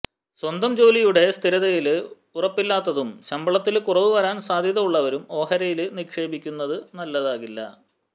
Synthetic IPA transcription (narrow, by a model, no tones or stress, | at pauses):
swɐnd̪ɐmd͡ʑo̞ːlijuɽe̞st̪ʰiɾɐðɐjil | urɐpːilːaːt̪ːɐðumɕɐmbɐɭɐt̪ːilkurɐʋɨʋɐɾaːnsaːd̪ʱjɐðɐmuɭːɐʋɐɾumo̞ːɦɐɾɐjilnikʂe̞ːbikʲːunːɐðɨnɐlːɐðaːɣilːɐ̰